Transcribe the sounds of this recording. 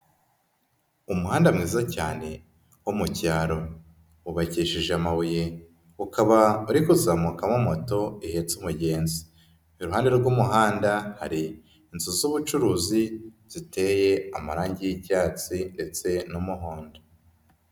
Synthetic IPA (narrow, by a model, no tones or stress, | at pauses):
umuhaːndamŋiːzacaːne̞ | womucaːɾo̞ | uβaciːʃiʒamawuje | ukʰaβauɾikuzamukamomoto̞ihe̞t͡sumuɟe̞ːnzi | iɾuɦaːndeɾɡumuɦaːndaha̰ɾiː | nzuzuβut͡ʃuɾuːzi | z̥ite̞je̞amaɾaːɲɟijicaːt͡sinde̞t͡se̞numuɦoːndo